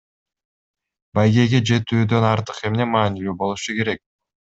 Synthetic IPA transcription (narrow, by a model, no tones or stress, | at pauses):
bajɡe̞jɡed͡ʒe̞t̪yːd̪ø̞nɑɾt̪ɯqemne̞mɑːnilybo̞lˠuʃuke̞ɾe̞k̚